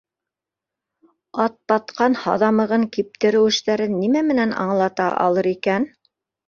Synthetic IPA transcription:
ɑt̪̚bɑt̪qɑnhɑðɑmɤ̆ʁɤŋkip̚t̪ɘ̆ɾɘ̆wɘ̆ʃt̪æɾɘnːimæmɘ̆nænɑ̰ɴlˠɑt̪ɑ̰ʔɑ̰lˠɤɾikæn

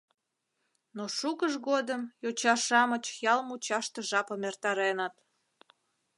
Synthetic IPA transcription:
noʃukəʒɣod̪əmjot͡ɕɑʃɑmət͡ɕjɑlmut͡ɕɑʃt̪əʒɑpəmert̪ɑɾenət̪

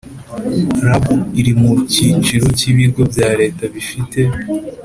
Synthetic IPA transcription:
ɾabuiɾimuciːd͡ʒiɾo̞ciβiɡo̞bjaːɾe̞ːtaβifite̞

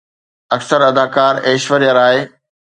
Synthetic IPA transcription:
ɐksəɾɐd̪aːkaːɾeːʃʋəɾjaɾaːɦe

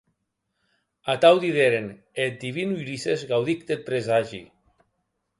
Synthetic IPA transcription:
at̪awd̪iðeɾen | et̪̚d̪iβinuiɾisezɣawðikd̪et̪̚pɾezaʒḭ

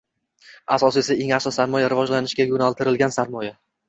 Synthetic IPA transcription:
asɒsɪe̞saeŋaqʃɒsaɾmɒjaɾɪvɒd͡ʒlanɪʃɡʲaɡʊnalˠt̪ʰɪɾɪlɡʲansaɾmɒja

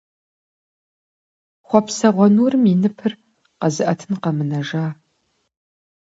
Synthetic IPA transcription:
χʷɔpsɐʁʷɔnuːrɨminɨpʰɨr | qɐzɨʔɐtʰɨnqɐmɨnɐʒaː

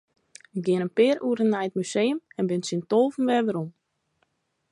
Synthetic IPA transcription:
ɪk̚ɡɪənənpɪːɾuːɾənːajət̚mysejəmɛnbɪnsintoːvən̩ʋɛʋəɾum

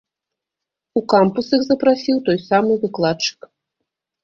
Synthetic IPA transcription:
ukampusixzɐpɾasʲiwt̪ɔjsamɨvɨklˠat͡ʂɨ̥k

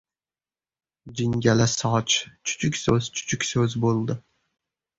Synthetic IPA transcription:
d͡ʒɪŋɡʲalasɒt͡ʃʰt͡ʃʰʊ̥t͡ʃʰʏkʲsɵz̥t͡ʃʰʊ̥t͡ʃʰʊkʲsɵzbolˠd̪ɪ

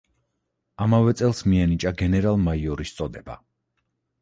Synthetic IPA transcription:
amavɛt̪sʼɛlˠsmiɛnit͡ʃʼaɡɛnɛɾalˠmaiɔɾist̪sʼɔd̪ɛba

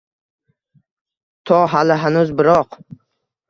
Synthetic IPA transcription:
t̪ʰɒɦalɪɦanʊzbɪɾɒq

